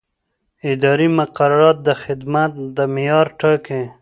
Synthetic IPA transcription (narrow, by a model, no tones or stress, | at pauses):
ɪd̪ɑɾimʊqaɾaɾɑt̪̚d̪əxɪd̪mat̪̚d̪əmijɑːɾʈake